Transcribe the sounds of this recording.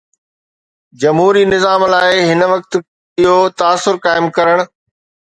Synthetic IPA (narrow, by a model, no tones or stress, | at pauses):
d͡ʑɐmɦuːɾinɪzaːmlaːɪɦɪnʋɐk̚t̪ | ɪɦot̪aːsːʊɾkaːɪmkɐɾəɽ̃̆